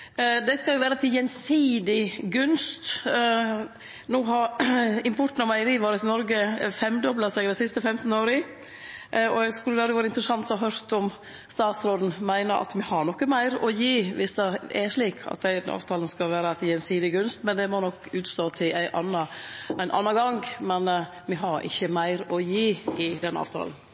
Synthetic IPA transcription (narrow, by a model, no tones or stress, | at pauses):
d̪ɛɪskɑljʊʋæːɾɑt̪ʰɪjɛnsiːd̪ɪɡʉnst̪ | nuːɦɑɾɪmpʰɔʈːn̩ɑmæɪəɾiːʋoːɾət̪ɪnɔɾɡəfɛmd̪ɔblɑsɛɡɾɛsɪst̪əfɛmt̪n̩oːɾɪ | ɔɛɡskʉlːəd̪æɾɪʋæːɾəɪnt̪ɾəsɑnt̪ɔɦøɾt̪ɔm | st̪ɑːt̪sɾoːd̪n̩mæɪnəʔɑ̰t̪mɛhɑɾɳɔkːəmæɪɾɔjiːʋɪsd̪ɛɛʂɭiːkʰɑ̰t̪̚d̪æɪɑ̰ːʋt̪ʰɑːln̩skɑlʋæːɾət̪ːɛnsiːd̪ɪɡʉnst̪mɛnd̪ɛmɔnɔkːʉːt̪st̪oːt̪ʰɪlæɪʔɑnːɑʔæɪnʔɑ̰nːɑɡɑŋɡmɛn | mɛɦɑɾʔɪ̰çːəmæɪɾɔjiːɪd̪ɛnːɑ̰ːʋt̪ʰɑ̰ːln̩